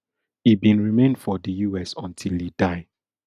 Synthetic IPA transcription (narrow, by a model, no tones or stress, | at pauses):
ibĩnɹimẽndfɔdəjuɛsɔ̃ntʰilidaɪ